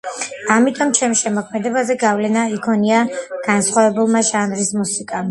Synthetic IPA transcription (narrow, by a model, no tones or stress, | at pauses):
amit̪ʼɔmt͡ʃʰɛmʃɛmɔkʰmɛd̪ɛbazɛɡavlɛnaikʰɔniaɡ̥ansχwavɛbulˠmaʒanɾismusikʼam